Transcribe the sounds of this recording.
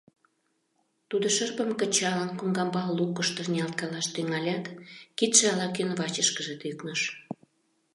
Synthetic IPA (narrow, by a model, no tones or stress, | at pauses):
t̪ud̪oʃərpəmkət͡ɕɑlənkumɡɑmbɑlːukəʃt̪ə̆rnʲiɑlt̪̚kɑlɑʃt̪yŋɑlʲɑt̪kit̪ʃeɑlɑkynβɑt͡ɕəʃkəʒĕt̪yknəʃ